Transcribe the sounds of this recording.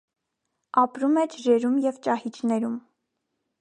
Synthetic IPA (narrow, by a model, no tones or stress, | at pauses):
ɑpɾumɛd͡ʒɾɛɾumjɛvt͡ʃɑhit͡ʃʰnɛɾum